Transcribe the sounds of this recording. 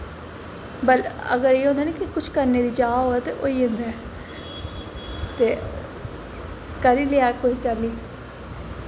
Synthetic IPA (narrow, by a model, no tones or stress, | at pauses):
bələ̰ɡəɾieːɦõːnd̪aːneːkɪkʊt͡ʃʰkəɾneːd̪iːd͡ʒaːɦoːɛːt̪eʔoːiːɦʊ̃nd̪ɛ | t̪eː | kəɾiːleaːkʊt͡ʃt͡ʃəliː